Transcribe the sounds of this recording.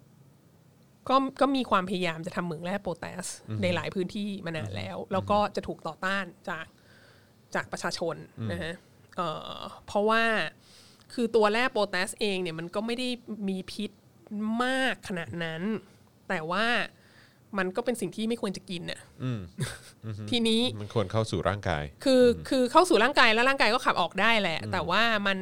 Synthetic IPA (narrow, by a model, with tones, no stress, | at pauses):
kɔː˥˩kɔː˥˩miː˧kʰwaː˧mpʰa˧ja˧jaː˧mt͡ɕa˨˩t̪ʰa˧mːɯ˩˦ŋlɛː˥˩pːoː˧t̪ɛ̰ː˦˥sna˧jla̰ː˩˦jpʰɯː˦˥nt̪ʰiː˥˩ma˧naː˧nlɛ̰ː˦˥wlɛː˦˥wkɔː˥˩t͡ɕa˨˩t̪ʰuː˨˩k̚t̪ɔː˨˩t̪aː˥˩nt͡ɕaː˨˩k̚ | t͡ɕaː˨˩k̚pɾa˧t͡ɕʰaː˧t͡ɕʰo˧na˦˥kʰa˦˥ʔ | ʔɤː˨˩pʰɔ˦˥waː˥˩ | kʰɯː˧t̪u˧ɐlɛː˥˩poː˧t̪ɛː˦˥sʔeː˧ŋni˥˩ɐma˧nkɔː˥˩ma˥˩jda˥˩jmiː˧pʰi˦˥t̪̚ | maː˥˩kʰːa˧naː˨˩t̪̚na˦˥n | t̪ɛː˨˩waː˥˩ | ma˧nkɔː˥˩pe˧nsi˨˩ŋt̪ʰiː˥˩ma˥˩jkʰu˧ənt͡ɕa˨˩ki˧nʔa̰˨˩˧ | t̪ʰiː˧niː˦˥ma˧nkʰu˧ənkʰa˥˩wsuː˨˩ɾa̰ː˥˩ŋka̰ː˧jkʰɯː˧kʰɯː˧kʰa˥˩wsuː˨˩ɾaː˥˩ŋkaː˧jlɛː˦˥wɾaː˥˩ŋkaː˧jkɔː˥˩a˨˩p̚ʔɔː˨˩k̚daː˥˩jlɛ˨˩ʔt̪ɛː˨˩waː˥˩ma˧n